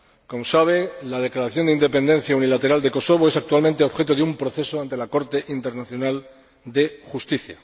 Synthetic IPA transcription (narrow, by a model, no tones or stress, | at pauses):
komosaβ̞e̞lað̞e̞klaɾaθjo̞nd̪eind̪e̞pe̞nd̪e̞n̟θjaunilat̪e̞ɾald̪eko̞so̞βoe̞sak̚t̪ualmẽnt̪eoβxe̞t̪̬oðeumpɾo̞θe̞so̞ant̪e̞lako̞ɾt̪e̞ʔint̪eɾnaθjo̞nal | d̪e̞xust̪iθja